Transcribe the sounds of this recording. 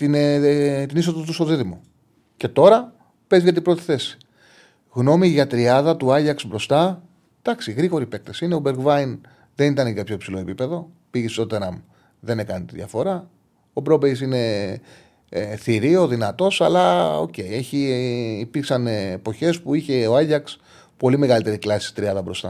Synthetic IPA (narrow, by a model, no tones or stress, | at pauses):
t̪int̪inis̬oðot̪usoðiðimo | ce̞t̪o̞ɾɐ | pe̞zʝɐt̪ibɾo̞t̪i̥θe̞si̥ | ɣno̞miʝɐt̪ɾiɐðɐt̪uɐʎɐksbɾo̞st̪ɐ | d̪̥ɐksiɣɾiɣo̞ɾipe̞k̚t̪esine̞obe̞ɾɡvɐin | ðe̞nit̪ɐneɡɐpçopsilo̞epipe̞ðo̞ | piʝest̪oot̪eɾɐm | ðe̞ne̞kɐnit̪iðjɐ̰fo̞ɾɐ | obɾobejs̬ine̞ | θiɾio̞ðinɐt̪o̞sɐ̰lɐo̞̰ce̞ie̞çiːpiɾksɐnepo̞çe̞spuiçe̞oɐʝɐks | po̞lime̞ɣɐlit̪e̞ɾiklɐsi̥st̪ɾiɐðɐbɾo̞̰st̪ɐ̰